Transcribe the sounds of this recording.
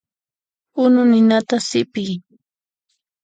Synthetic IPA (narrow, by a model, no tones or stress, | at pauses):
ʊnʊnɪnat̪asɪpɪj